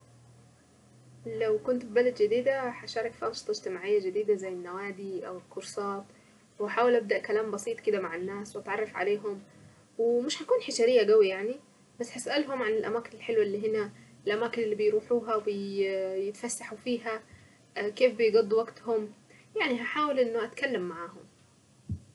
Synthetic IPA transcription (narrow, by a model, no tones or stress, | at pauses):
læwkʊnt̪bibælæd̪d͡ʒɪd̪iːd̪æħaʃɑːɾˤɑkfiʔɑnʃɨt̪ˤɑɪd͡ʒt̪ɪmaːʕɪjːæd͡ʒɪd̪iːd̪æzæjːɪnːæwaːd̪iʔæwɪlkːoɾsɑːt̪ˤ | wɪħaːwelʔæb̚d̪æʔkælæːmbɑsˤiːt̪ˤkɪd̪æmaʕɪnːæːswʔɑt̪ʕɑrˤːɑfʕa̰leːɦom | wemɪʃhækuːnħeʃæːɾɪjːæɡæwijaʕni | basːhasʔælɦʊmʕanɪlʔæmaːkɪnɪlħelwaʔlːiːɦɪnæɪlʔæmaːkɪnʔɪlːiːbɪjɾuːħuːɦawɪjɪt̪fasːaħufiːɦæ | keːfbɪjɡɑd̪ˤːwaɡt̪hʊm | jaʕniɦaħaːwɪlʔɪnːʊʔat̪kalːamːaʕaːɦʊm